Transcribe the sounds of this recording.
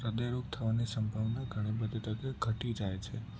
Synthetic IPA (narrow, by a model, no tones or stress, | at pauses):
ɾəd̪əjɾoɡ̚t̪ʰəʋanesəmbʱaʋnaɡʱəɽ̃ibəd̪ʱet̪ək̪əɡʱəʈid͡ʒajt͡ʃʰe